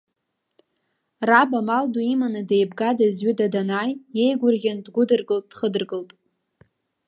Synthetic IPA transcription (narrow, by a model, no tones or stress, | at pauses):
rabamalduimanɨdejbɡadazɥɪdadanaje̞jɡʷʊrɣʲandɡʷʊdɨrɡɨltʼd̥χədɨrɡɨltʼ